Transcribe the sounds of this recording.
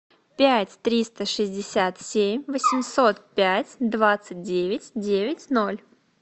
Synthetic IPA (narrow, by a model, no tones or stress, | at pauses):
pʲætʲt̪ɾʲist̪əʂɨzʲdʲɪsʲat̪sʲemʲvəsʲɪmso̞t̪pʲætʲd̪vat̪sɨdʲevʲɪtʲdʲevʲɪtʲno̞lʲ